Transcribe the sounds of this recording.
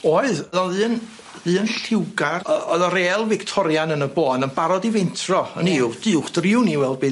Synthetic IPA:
oːɨððɔðɨːn | ðɨːənɬɪwɡarəɔðɔɾeːlˠvɪktʰɔɾjanənəboːnənbaɾɔdivɪntʰrɔə̰nidɨʊχd̥rɪwniwɛlˠbɨː

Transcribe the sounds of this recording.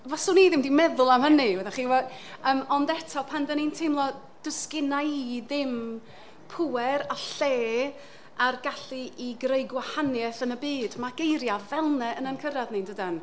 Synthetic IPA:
vasʊːniðɪmdimɛðʊlˠamɦəniwɛðɛχiːwɛəːmɔndɛtʰɔpʰandənintʰejmlˠɔ | d̥əskɪnajiðɪm | pʰuɛɾaɬeː | arɡaɬiiɡrejɡwahanjɛθənəbiːdmaɡ̥ejɾjavɛlˠnɛʔənənkʰəɾadnindədan

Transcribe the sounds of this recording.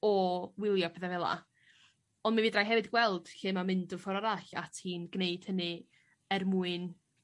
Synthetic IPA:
ɔwɪlˠjɔpʰɛθɛvɛlˠa̰ | ɔndmaviːdrajɦɛvɨdɡwɛlˠd̥ɬɪːmamɨndɔfɔɾɔɾaɬa̰tʰiːnɡneɨd̥hənɨ | ɛrmuɨn

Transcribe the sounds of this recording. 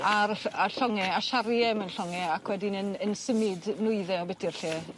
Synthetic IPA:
araɬɔŋɛaʃaɾjɛmənɬɔŋɛakʰwɛdɪnənənsəmɪdnʊɨðɛɔbɛdʰirɬeː

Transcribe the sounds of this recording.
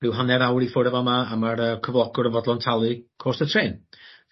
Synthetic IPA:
rɪwɦanɛɾawɾifʊɾəvɔmaːmaɾəkʰəvlˠɔɡʊɾəvɔdlˠɔntʰalˠɨkʰoːstətʰreːn

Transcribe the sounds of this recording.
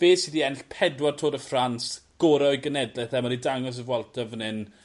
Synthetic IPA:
v̥eːsidiɛnɬpʰɛdwartʰoːdəfransɡ̥ɔːɾajɡənɛdlɛθɛmaɾidaŋɔs̬əvwalˠtʰɔvənɨn

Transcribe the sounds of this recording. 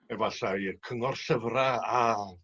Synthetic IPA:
ɛvaɬajəkʰəŋɔrsəvraa

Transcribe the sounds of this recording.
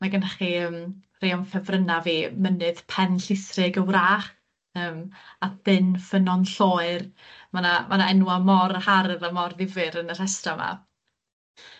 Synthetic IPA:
maɡanaχiəːm | rewnfɛvrənaviːmənɨðpʰɛnɬɪsrɨɡəwraːχ | əːmaθɨnfənɔnɬoːɨrmanamanaɛnwamɔrhaɾəðamɔrðɪvɨɾənər̥ɛstama̰

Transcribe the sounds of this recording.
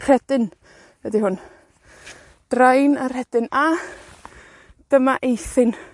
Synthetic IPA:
r̥ɛd̥ɨn | vɛdihʊn | d̥rajnar̥hɛd̥ɪna | d̥əmaʔejθɨn

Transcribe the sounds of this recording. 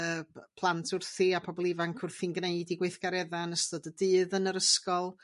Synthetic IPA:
əːpʰlˠantʰʊrθiapʰɔbɔlˠivaŋkʰʊrθinɡneɨdiɡweɨθɡ̥aɾɛðanəstɔdədɨːðənəɾəskɔlˠ

